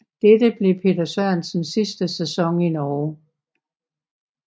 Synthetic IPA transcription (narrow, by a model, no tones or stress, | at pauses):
d̥edəb̥le̝pʰe̝̰ːdɐsɶɐ̰nsn̩sisd̥əsæsɒ̽ŋinɒː